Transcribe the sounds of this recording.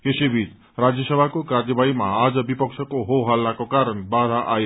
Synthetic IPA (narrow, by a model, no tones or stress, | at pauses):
esebʱit͡s | rad͡zjʌsʌbʱakokaɾdʌbaimaad͡zʌbipʌksʰʌkoɦoɦalːakokaɾənbad̪ʱaʔaj